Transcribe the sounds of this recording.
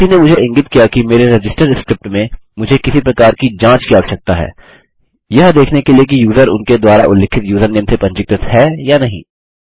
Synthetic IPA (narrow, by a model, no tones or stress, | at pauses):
inemʊd͡ʒʱeɪ̃ŋɡɪt̪kijakimeːɾeɾɐd͡ʒɪsʈəɾɪskɾɪp̚ʈmẽmʊd͡ʒʱekɪsipɾɐkaːɾkid͡ʒãːt͡ʃkijaʋʃɐk̚t̪aɦɛ̰ː | jɐɦd̪eːkʰnekeliek̬ijuːzəɾʊ̰nked̪waːɾaʔʊlːɪkʰːɪt̪juːzəɾnensepɐ̃ɲt͡ʃɪk̚t̪ət̪ɦɛjanɐɦĩː